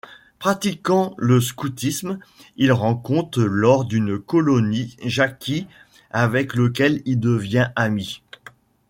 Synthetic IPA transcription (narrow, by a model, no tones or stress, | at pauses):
pχat̪ikɑ̃ləs̬kut̪ismilʁɑ̃kɔ̃t̪χəlɔʁd̪ynkɔlɔniʒakʲi | avɛklək̬ʲɛlild̪əvjɛ̃ami